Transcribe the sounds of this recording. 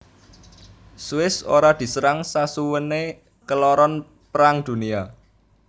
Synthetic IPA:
suwɪso̰ɾad̪̥i̤səɾaŋsasuwəne | kəlɔɾɔn | pɾaŋd̪̥ṳnia

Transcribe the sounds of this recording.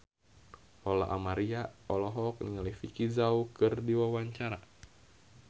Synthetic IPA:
ɔla̰ʔamaɾiaɔlɔɦɔk̚nḭŋalifikizaukɨrdiwawaɲt͡ʃaɾa

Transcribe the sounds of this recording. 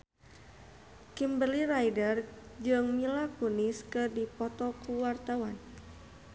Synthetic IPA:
kimbərlirajdərd͡ʒɨŋmilakuniskɨrdipɔt̪ɔkuwart̪awan

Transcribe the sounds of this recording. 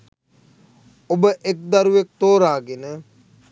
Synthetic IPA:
obəʔek̚d̪aɾuʋek̚t̪oːɾaːɡenə

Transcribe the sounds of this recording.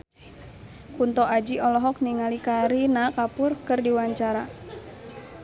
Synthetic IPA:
kunt̪ɔʔad͡ʒiɔlɔɦɔk̚niŋalikaɾinakapʊrkɨrdiwaɲt͡ʃaɾa

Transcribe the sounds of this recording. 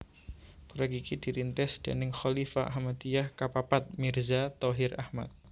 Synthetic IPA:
puɾaɡikid̪̥iɾint̪ɛsd̪̥a̰nɪŋxɔlifaʔɦamat̪ijahkapapat̪̚mɪrzat̪ɔɦɪɾahma̰t̪̚

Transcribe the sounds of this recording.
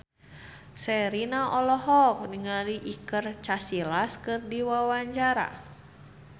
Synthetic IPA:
sɛɾinaʔɔlɔɦɔk̚niŋaliʔikərt͡ʃasilaskɨrdiwawaɲt͡ʃaɾa̰

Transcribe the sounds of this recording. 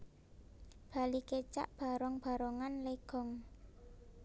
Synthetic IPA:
b̥a̤liket͡ʃa̰ʔb̥a̤ɾɔŋb̥a̤ɾɔŋanleɡ̥ɔŋ

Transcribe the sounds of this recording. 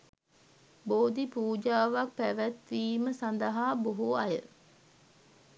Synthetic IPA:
boːd̪ipuːd͡ʒaːʋak̚pæʋæt̪ʋiːməsand̪əɦaːboɦuɐjə

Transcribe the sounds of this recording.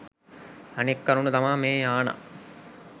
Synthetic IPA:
ɐnekːɐɾunut̪ɐmaːmeːaːna̰

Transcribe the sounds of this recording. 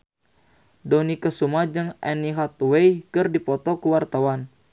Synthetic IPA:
dɔnikəsumad͡ʒɨŋʔɛniɦat̪̚wejkɨrdipɔt̪ɔkuwart̪awan

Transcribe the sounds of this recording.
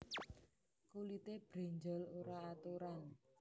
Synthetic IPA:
kulit̪eb̥ɾɛ̤ɲd͡ʒɔ̤loɾaːt̪uɾan

